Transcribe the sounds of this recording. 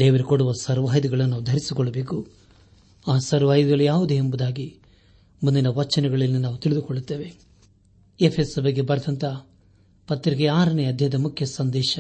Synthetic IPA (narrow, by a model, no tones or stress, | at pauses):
d̪eːʋɐɾekoɽuʋɐsɐɾʋaːjd̪iɡɐɭɐnunaːʋud̪ʱɐɾisikɔɭːɐbe̞ːku | aːsɐɾʋaːjd̪iɡɐlːujaːʋud̪eːmbud̪aːɡi | mund̪inɐʋɐt͡ʃːɐnɛɡɐɭilːinaːʋut̪iɭid̪ukoɭːut̪ːe̞ːʋe̞ | epʰeːsɐbɐɡːebɐɾɐd̪ɐnt̪ɐ | pɐt̪ːɾiɡeaːɾɐneɐd̪ʱjɐjɐd̪ɐmukʰjɐsɐnd̪ɛːʃɐ